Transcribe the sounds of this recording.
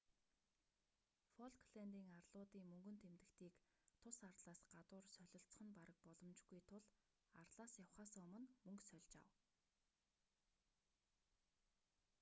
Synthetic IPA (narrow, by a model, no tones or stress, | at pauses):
fɔɮkʰɮent̪iːŋarɮʊːt̪iːŋmɵŋɡɵ̆nt̪ʰemt̪ɘ̆kt̪ʰiːk | t̪ʰʊsart̪ɮaːsɢat̪ʊːrsœɮʲɪ̆ɬt͡s̆χə̆npaɾə̆k̚pɔɮɞ̆mt͡ɕɡujt̪ʰʊɮ | art̪ɮaːsjawχaːsːʊmə̆nmɵŋksœɮʲt͡ɕa̰w